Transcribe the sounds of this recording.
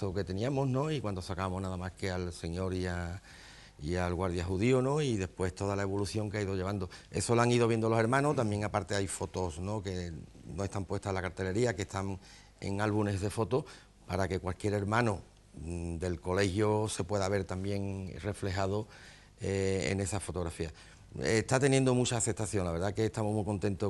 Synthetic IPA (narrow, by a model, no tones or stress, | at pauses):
oke̞t̪e̞niamozno̞ikwand̪o̞sakamoɦnaðamaske̞alse̞ɲo̞ɾia | ialɣwaɾðjaɦuðiono̞iðe̞hpwe̞st̪o̞ðalae̞β̞o̞luθjo̞ŋkeaiðoʎe̞β̞and̪oe̞̰so̞laŋiðoβje̞nd̪olo̞se̞ɾmãnot̪ambje̞ŋapaɾt̪e̞ajfo̞t̪o̞sno̞ke̞no̞e̞st̪ampwe̞st̪aslakaɾt̪e̞le̞ɾiake̞ht̪aŋ | e̞̰ŋalβune̞zðe̞fo̞t̪o | paɾake̞kwalkje̞ɾe̞ɾmãno | d̪e̞lko̞le̞hjose̞pwe̞ðaβe̞ɾt̪ambje̞ŋre̞fle̞ɦaðo | eḛne̞safo̞t̪oɣɾafia | et̪at̪e̞nje̞nd̪omut͡ʃaːθe̞p̚t̪aθjo̞ŋlaβɾðake̞ːst̪amoɦmuiko̞nt̪ẽ̞nt̪o